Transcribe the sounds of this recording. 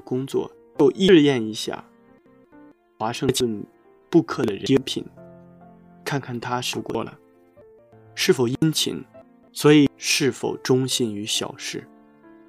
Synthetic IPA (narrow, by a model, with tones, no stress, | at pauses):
kʊ˥ŋt͡swɔ̰˥˩ | o˥˧ʊʔi˥˧jɛ˥˩ni˧˥ɕja̰˥˩ | xwa˧˥ʂɤ˥˧t͡ɕə˥˧n | pu˥˧kʰɤ˥˩d̪ə˩ɻə˧jɛ˥npʰḭ˨˩n | kʰa˥˧nkʰa˥˩nt̪ʰa˥ʂ̩˥˩kwɔ˥˩lə̰˩ | ʂɻ̩˥˩fo˨˩ʊi˥nt͡ɕʰḭ˧˥n | swɔ˧˥i˨˩ʂɻ̩˥˩fo̰˨˩ʊʈ͡ʂʊ˥ŋɕi˥˩ny˧˥ɕjɑ̰˨˩ʊʂɻ̩˥˩